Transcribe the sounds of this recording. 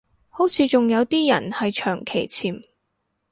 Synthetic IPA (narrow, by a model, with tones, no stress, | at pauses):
ho˨˥wt͡sʰiː˨˧t͡sʊ˨ŋjɐ˨˧wt̪iː˥jɐ̰˨˩nhɐ˨jt͡ʃʰœː˨˩ŋkʰe˨˩jt͡sʰiː˨˩m